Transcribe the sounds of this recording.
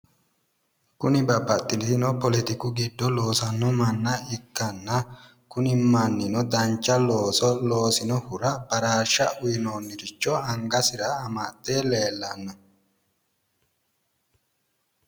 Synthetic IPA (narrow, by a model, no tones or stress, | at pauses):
kʊnɪbɐbːɐt̪ʼːɪnɪnɔpɔlɛt̪ɪkʊɡɪd̪ːɔlo̞ːsɐnːɔmɐnːɐɪkːɐnːɐ | kʊnɪmːɐnːɪnɔd̪ɐnt͡ʃːɐloːsɔloːsɪnɔhʊɾɐbɐɾaːʃːɐʔʊjɪnoːnːɪɾɪt͡ʃːɔɐŋɡɐsɪɾɐːmaːt̪ʼːeːleːlːɐnːɔ